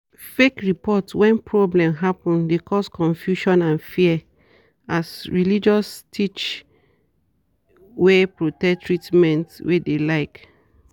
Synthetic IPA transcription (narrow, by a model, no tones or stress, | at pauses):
fekɹipɔtwɛ̃npɹɔblɛ̃mɦapɔ̃ndekʰɔskɔ̃nfjuʃɔ̃nãnfiɛ | asɹilid͡ʒɔstʰit͡ʃ | wepɹotɛk̚tɹitmɛ̃ntwʔedelaɪk